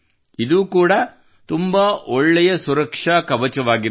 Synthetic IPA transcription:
id̪uːkuːɽɐ | t̪umbɐʔɔɭːɛjɐsuɾɐkʂɐkɐbɐt͡ʃɐʋaːɡiɾ

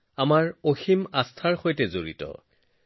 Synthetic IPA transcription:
amaɹoximastʰaɹxojtɛzoɹḭtɔ̰

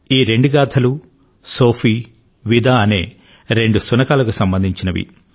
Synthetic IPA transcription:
iːɾe̞ɳɖuɡaːd̪ʰɐlu | soːpʰiː | ʋid̪aːɐneː | ɾe̞ɳɖusunɐkaːlɐkusɐmbɐnd̪ʱiɲt͡ʃinɐʋḭ

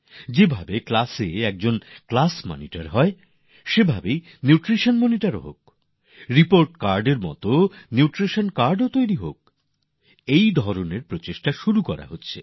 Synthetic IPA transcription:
d͡ʑebʱabeklaseɛk̚d͡ʑonklasmɔ̰niʈaɾɦɔe | ʃebʱabej | niuʈɾiʃonmoniʈaɾo̰ɦo̰k̚ | ɾipoɾʈkaɾɖeɾmɔ̰t̪oniuʈɾiʃonkaɾɖot̪ojɾiɦo̰k̚ | ejd̪ʱɔɾoneɾpɾot͡ɕeʃʈaʃuɾukɔɾa̰ɦotːɕʰe

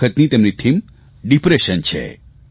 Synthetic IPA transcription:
ət̪nit̪emnit̪ʰim | ɖipɾeʃənt͡ʃʰḛ

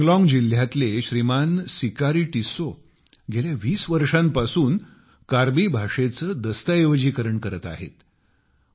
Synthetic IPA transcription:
ɡlɔ̃ŋɡd͡ʑil̤ːjat̪leɕɾimansikaɾiːʈiso | ɡʱeljaʋiːsʋəɾʂãmpasuːn | kaɾbiːbʱaʂet͡səːd̪əst̪əeʋd͡ʑiːkəɾəɳkəɾət̪a̰ɦḛt̪

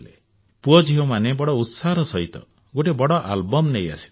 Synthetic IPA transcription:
lḛ | puɔd͡ʒiɦomanebɔɽɔut̪saɦɾɔsɔɦit̪ɔ̰ | ɡoʈibɔɽɔʔa̰lbɔmneja̰si̥

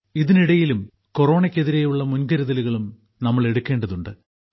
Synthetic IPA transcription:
iðiniɽɐjilum | ko̞ro̞ːɳɐkʲːe̞ðiɾejuɭːɐmunɡɐɾɐðɐluɣɐɭum | nɐmːɐɭe̞ɽukːe̞ːɳɖɐðuɳɖɨ

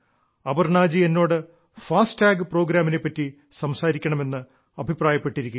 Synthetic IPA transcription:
ɐbɐrɳaːd͡ʑie̞nːo̞ːɽɨ | faːsʈaːɡɨpro̞ːɡɾaːmine̞pːɐtːi | sɐmsaːɾikʲːɐɳɐme̞nːɨ | ɐbʱipraːjɐpːe̞ʈːiɾikʲːu

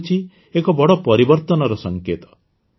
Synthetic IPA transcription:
t͡ʃʰi | ekɔbɔɽɔpɔɾibɔɾt̪ɔnɔɾɔsɔŋket̪ɔ̥

